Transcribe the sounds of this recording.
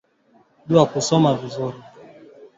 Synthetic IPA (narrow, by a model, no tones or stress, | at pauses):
ɗuakusɔmavizuɾi